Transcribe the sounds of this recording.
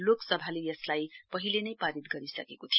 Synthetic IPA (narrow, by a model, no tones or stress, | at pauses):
loksʌbʱalejʌslajpʌɦilenʌjpaɾit̪̚ɡʌɾisʌ̰kekot̪ʰijo